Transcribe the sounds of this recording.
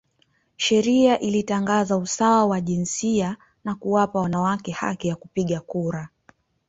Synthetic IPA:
ʃɛɾiaʔilitaŋɡazausawawaʄinsia | nakuwapawanawakɛha̰kijakupiɠakuɾa

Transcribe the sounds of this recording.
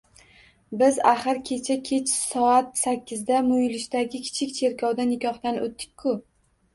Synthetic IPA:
bɪzaχɨɾkʲʰe̞t͡ʃʰakʲʰe̞t͡ʃsɒat̪sakʲːɪzd̪amʊjlɪʃd̪aɡʲɪkʲʰɪ̥t͡ʃʰɪk̚ʲt͡ʃʰe̞ɾkʰɒwd̪anɪkʲʰɒχd̪anʔot̪ːɪ̥kʲkʰːʊ

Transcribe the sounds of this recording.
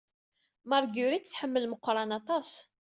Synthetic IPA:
mɑɾˤɡuɾit̪θħəmːəlməqːɾˤɑnɑt̪ˤɑs

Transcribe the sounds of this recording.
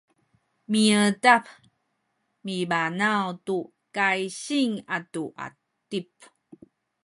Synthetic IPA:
miətap | mibanawtu | kajɕiŋatuʔa̰ | tip

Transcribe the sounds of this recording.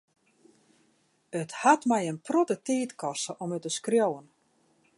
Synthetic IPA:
əthatmɛjənprotətiːtkɔsəʔɔmøtəskrjowən

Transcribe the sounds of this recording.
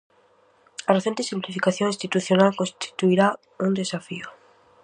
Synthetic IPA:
areθent̪esimplifikaθjoŋĩnst̪it̪uθjonalkonst̪i̥t̪uiɾa | und̪esafio

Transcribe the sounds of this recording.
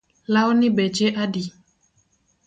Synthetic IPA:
lawnibɛd͡ʒeʔadi

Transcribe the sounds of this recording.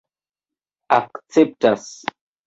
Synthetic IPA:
aksɛp̚tas

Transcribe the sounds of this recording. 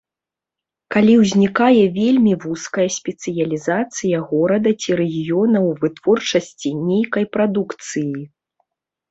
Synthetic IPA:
kalʲiwzʲnʲikajɛvʲelʲmʲivuskɐjɐsʲpʲɛt̪sɨjɐlʲizat̪sɨjɐɣɔɾɐd̪ɐt͡sʲiɾɛɣʲijɔnɐwvɨt̪v̥ɔrt͡ʂɐsʲt͡sʲinʲejkɐjpɾad̪ukt̪sɨji

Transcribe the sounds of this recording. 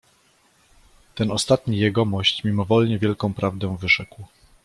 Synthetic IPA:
t̪ɛnɔst̪at̪ɲijɛɡɔmɔɕt͡ɕmʲimɔvɔlɲɛvʲjɛlkɔ̃w̃pɾavd̪ɛ̃vɘʐɛkw

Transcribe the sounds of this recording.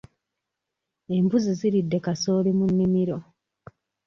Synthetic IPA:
e̞mbuziziɾidːe̞kaso̞ːlimunːimiɾo̞

